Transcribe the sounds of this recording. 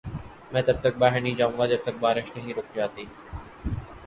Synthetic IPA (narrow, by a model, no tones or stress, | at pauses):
mɛ̃ːt̪ɐb̚t̪ɐk̚baːɦɪnĩːd͡ʒaːʋũŋɡaːd͡ʒɐb̚t̪ɐk̚baːɾɪʃnɐɦiːɾoːkd͡ʒaːt̪iː